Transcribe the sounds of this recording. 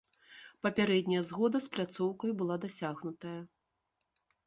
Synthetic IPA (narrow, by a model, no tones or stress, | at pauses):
pɐpʲaɾɛd̪ʲnʲɐjɐzɣɔd̪ɐsplʲat̪sɔwkɐjbɨlˠad̪asʲaɣnut̪ɐjɐ